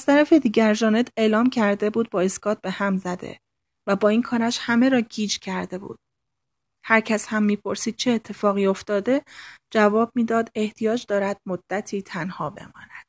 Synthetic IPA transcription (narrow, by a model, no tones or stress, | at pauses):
ʔæst̪ʰæɾæfe̞d̪iːɟʲæɾʒɒːne̞t̪ʰe̞ːlɒːmcʰæɾd̪e̞buːd̪̚bɒːeskɒːt̪̚be̞hæmzæd̪e̞̰ | væbɒːiːnkʰɒːɾæʃhæme̞ɾɒːɟiːd͡ʒcʰæɾd̪e̞bṵːd̪̥̚ | hæɾcʰæshæmːiːpʰo̞ɾsiːd̪̥̚t͡ʃʰeːt̪ʰːe̞fɒːɣiːo̞ft̪ɒːd̪e̞d͡ʒævɒːb̥̚miːd̪ɒːd̪e̞ht̪ʰijɒːd͡ʒd̪ɒːɾæd̪̥̚mod̪̥ːæt̪ʰiːt̪ʰænhɒːbe̞̰mɒ̰ːnæd̪̥